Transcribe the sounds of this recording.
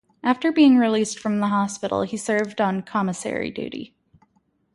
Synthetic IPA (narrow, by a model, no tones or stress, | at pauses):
ʔæftə˞biɪ̃ŋɹilistfɹʌ̃mðəɦɑspɪɾl̩ˠisɜ˞vdn̩kʰɑməsɛ̰ɹḭdʉ̰ɾḭ